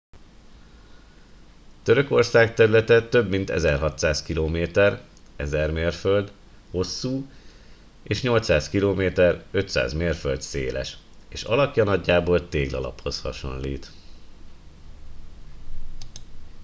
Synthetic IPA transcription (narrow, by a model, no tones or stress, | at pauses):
t̪øɾø̞ko̞rsaːkt̪ɛɾylɛt̪ɛt̪øbmint̪ɛ̰zɛrɦɒt̪saːskiloːmeːt̪ɛr | ɛzɛrmeːrfø̞ld̪ | ho̞sːuː | eːʃɲo̞lt̪saːskiloːmeːt̪ɛrø̞t̪sa̰ːzmeːrføld̪sḛːlɛ̰ʃ | eːʃɒ̰lɒpjɒnɒɟːaːboːlt̪eːɡlɒ̰lɒ̰pho̞shɒ̰ʃo̞̰nlḭːt̪